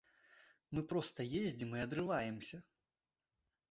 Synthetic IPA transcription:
mɨpɾɔst̪ɐjezʲd͡zʲimɨɐd̪ɾɨvajɛmsʲɐ

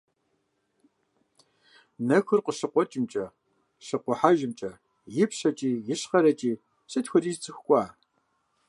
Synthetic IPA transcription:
nɐxɨrqəɕɨqʷɔt͡ʃʼɪmt͡ʃʼɐ | ɕɨqʷɔħaʒɪmt͡ʃʼɐ | jɪpɕɐt͡ʃʼiːjɪɕχɐɾɐt͡ʃʼiː | ɕʼɨtxʷɔriːzt͡sʼɨxʷkʷʼɑː

